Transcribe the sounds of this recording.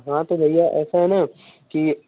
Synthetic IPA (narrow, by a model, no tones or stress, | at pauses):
ɦãt̪od̪ʱɐijaʔɛ̰ːsaɦɛnaː | ki